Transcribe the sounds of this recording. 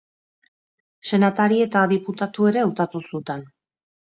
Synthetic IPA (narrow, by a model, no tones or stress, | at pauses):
se̞nat̪aɾie̞t̪aðiput̪at̪ue̞ɾe̞ut̪at̪usut̪an